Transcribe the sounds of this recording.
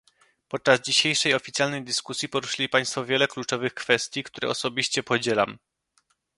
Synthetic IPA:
pɔt̪̚t͡ʂazd͡ʑiɕejʂɛjɔfʲit̪sʲjalnɛjd̪ɘskusʲjipɔɾuʂɘlʲipaj̃st̪fɔvʲjɛlɛklut͡ʂɔvɘxkfɛst̪ʲjikt̪uɾɛ̰ʔɔsɔbʲiɕt͡ɕɛpɔd͡ʑɛla̰m

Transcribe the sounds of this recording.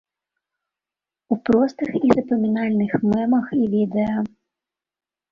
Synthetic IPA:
upɾɔst̪ɨxizɐpɐmʲinalʲnɨxmɛmɐxivʲid̪ɛjɐ

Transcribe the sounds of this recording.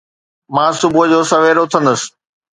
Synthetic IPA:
mãːsʊbʊɦəd͡ʑoːsɐʋeːɾʊt̪ʰə̃nd̪əsɪ̥̆

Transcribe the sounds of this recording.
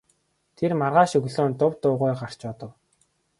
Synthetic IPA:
t̪ʰermarʁaːʃɵɣɮoːnt̪ʊwt̪ʊːʁʊjɢar̥t͡ɕɔːt̪ə̆w

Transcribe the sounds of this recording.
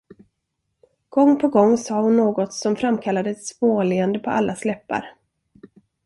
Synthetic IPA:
ɡ̥ɔŋːpʰɔɡɔŋːsɑːhʊnːoːɡɔt̪sɔmfɾamːkʰalːad̪əɛt̪spoːleːand̪əpʰɔʔalːaslɛpːa̰ɾ

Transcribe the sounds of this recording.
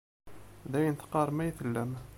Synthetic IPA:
ðæjənθqɑɾˤmæjθəlːæm

